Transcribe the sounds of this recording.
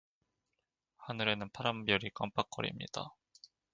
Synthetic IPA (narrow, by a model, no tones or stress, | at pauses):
hanɯɾe̞nɯnpʰaɾambjʌɾik͈amp͈ak͈ʌ̰ɾḭmɲḭd̥a̰